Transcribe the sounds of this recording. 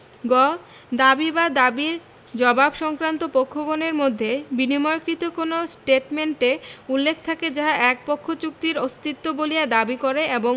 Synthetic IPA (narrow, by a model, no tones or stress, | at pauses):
ɡɔ | d̪abibad̪abiɾ | d͡ʑɔbabʃɔŋkɾant̪opokʰːoɡoneɾmod̪ʱːebinimɔjkɾit̪okonosʈeʈmeɳʈeulːekʰt̪ʰaked͡ʑaɦaʔɛk̚pokʰːot͡ɕuk̚t̪iɾost̪it̪ːobolijad̪abikoɾeʔeboŋ